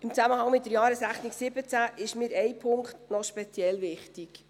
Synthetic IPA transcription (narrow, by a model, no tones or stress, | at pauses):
ɪmt͡sæməhɑŋmɪt̚dəɾjɑːɾəsɾæχniksɪbət͡sæʔɪʃmɪːɾɛjpʰʊŋktnɔʃpɛt͡sjɛlʋɪχtik